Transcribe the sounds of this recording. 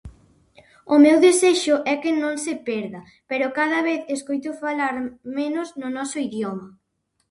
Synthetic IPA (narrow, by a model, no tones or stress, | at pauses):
ʊmewðeseʃʊʔɛkenõŋsepɛɾðɐ | peɾʊkað̞ɐβ̞eθeskojt̪ʊfalaɾmenʊznʊnɔsoiðjomɐ